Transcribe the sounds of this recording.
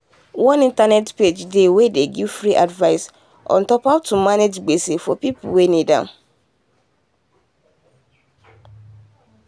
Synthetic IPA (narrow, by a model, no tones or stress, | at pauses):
wɔ̃nĩntanɛtped͡ʒdewedeɡivfɾiʔadvaɪs | ʔɔ̰̃ntɔpatːumaned͡ʒɡ͡besefɔpipṵwenĩdã̰